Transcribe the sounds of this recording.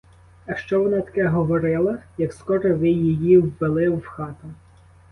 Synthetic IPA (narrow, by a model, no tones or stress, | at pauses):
ɐʃt͡ʃɔʋɔnɑt̪ɐ̥kɛɦɔʋɔɾɪlˠɐjɐkskɔɾɔʋɪjijiwːelˠɪwxɑt̪ɐ